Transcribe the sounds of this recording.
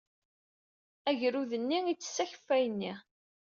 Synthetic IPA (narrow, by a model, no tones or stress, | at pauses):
æʝɾuðənːiit͡sːsːæçə̥fːæjənːi